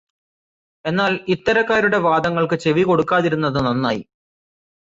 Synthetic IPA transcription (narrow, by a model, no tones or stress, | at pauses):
e̞nːaːlit̪ːɐɾɐkːaːɾuɽe̞ʋaːd̪ɐŋːɐɭkɨt͡ɕe̞ʋiko̞ɽukːaːðiɾunːɐðɨnɐnːaːjḭ